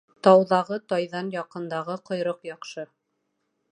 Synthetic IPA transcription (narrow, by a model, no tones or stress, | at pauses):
t̪ɑwðɑʁɤt̪ɑjðɑnjɑqɤ̆nd̪ɑʁɤqŏjɾɤqjɑqʃɤ